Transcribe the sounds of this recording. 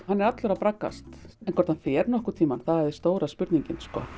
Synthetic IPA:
hanːɛɾat̪lœɾapɾakːa̰st̪ɛnkʰɔɾt̪anfɛːɾnɔhkʏ̥t̪ʰiːmanθaðɛɾðɪst̪oːwɾaspʏɾt̪niɲcɪnskɔ̰ː

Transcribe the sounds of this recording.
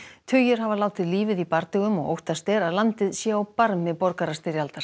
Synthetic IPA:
t̪ʰʏjʏɾ̥ɦavalaːwt̪ɪðliːvɪðipaɾt̪ʏɣʏmɔ̰ɣo̰wht̪ast̪ɛːɾaðlant̪ɪðsjɛawpaɾmɪpɔɾkaɾast̪ɪɾjalt̪aɾ̥

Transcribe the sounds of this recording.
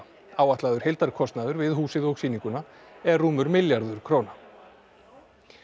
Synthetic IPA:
aːwaht̪laːðʏɾ̥hejlt̪aɾkʰɔst̪naðʏɾvɪðɦuːsɪðɔɣsiːniŋkʏna | ɛɾːuːmʏɾmɪljaɾðʏɾ̥kʰɾoːwna

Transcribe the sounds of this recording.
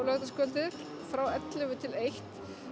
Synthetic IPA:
lœɣðaskœːlt̪ɪɾ̥ | fɾawɛt̪lɪvʏt̪ʰɪlejht̪

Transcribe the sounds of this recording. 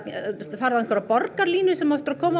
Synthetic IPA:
faɾðankʰvaɾapɔrkaɾliːnʏsɛmaɛft̪ʏɾakʰɔːma

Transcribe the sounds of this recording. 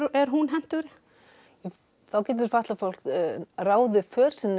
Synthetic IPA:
ɛɾ̥ɦunɦɛn̥t̪ʏɾɪ | θawcɛːt̪̬ʏɾ̥faht̪lafowl̥kraːwðʏfœːɾ̥sɛnː

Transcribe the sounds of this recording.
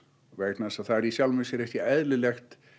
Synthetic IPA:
vɛkt̪nasaðθaɛɾisjalmʏsjɛɾɛhc̪ɪɛðlɪlɛxt̪

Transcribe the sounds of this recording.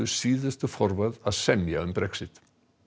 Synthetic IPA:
ʏsiːðʏst̪ʏfɔɾvaðaðsɛmjaʏmpɾɛksɪt̪

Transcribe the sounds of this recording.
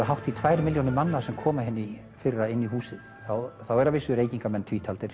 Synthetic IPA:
aɦawht̪it̪ʰvaːjɾɪmɪljownɪmːanːasɛmkʰɔːmaɦɪnːɪ | fɪrraɪnːiɦuːsɪðθawθawɛɾavɪsːʏɾeːjciŋkamɛnt̪ʰviːt̪ʰalt̪ɪɾ̥

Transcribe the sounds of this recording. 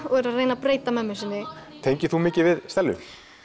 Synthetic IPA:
ɔɣɛɾaðreːjnapɾeːjt̪amɛmːɪsɪnːɪt̪ʰeɲcɪθumɪːcɪvɪðst̪ɛlːʏ̰m

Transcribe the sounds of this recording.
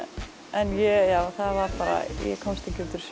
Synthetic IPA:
ɛnjɛjawθaðvaɾpaːɾa̰jɛ̰kʰɔmst̪ʰɛcɪʏt̪ɪɾ̥s

